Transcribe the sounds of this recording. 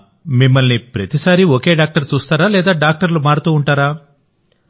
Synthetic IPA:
mimːɐlnipɾɐt̪isaːɾioke̞ːɖaːk̚ʈɐɾt͡ʃuːst̪aːɾaːlɛːd̪aːɖaːk̚ʈɐɾlumaːɾut̪uːuɳʈaːɾaː

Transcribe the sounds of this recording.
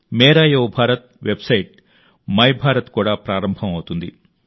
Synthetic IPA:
meːɾaːjowbʱaːɾɐt̪̚ʋebsɐjʈ | mɐjbʱaːɾɐt̪kuːɽaːpɾaːɾɐmbʱɐmɐwt̪und̪ḭ

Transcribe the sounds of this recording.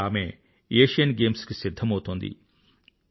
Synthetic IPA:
aːme | eːʂijɐnɡeːmskesid̪ʱːɐmɦoːt̪ond̪ḭ

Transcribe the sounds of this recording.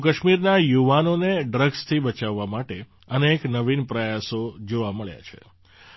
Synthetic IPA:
kəʃmiɾnajuʋanoneɖɾəɡst̪ʰibət͡ʃaʋːamaʈe | əneːknəʋinpɾəjasod͡ʒoʋaməɭja̰t͡ʃʰḛ

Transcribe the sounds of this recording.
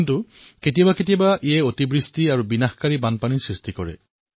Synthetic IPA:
ntuketijabaket̬ijabaʔijɛotibɹistiaɹubinaxkaɹibanpanisɹistikɔɹɛ̰

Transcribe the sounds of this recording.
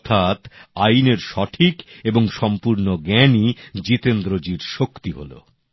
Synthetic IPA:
ɔt̪ʰat̪ajneɾʃɔʈʰikeboŋʃɔmpuɾnoɡɛnid͡ʑit̪end̪ɾod͡ʑiɾʃokt̪iɦo̰lo̰

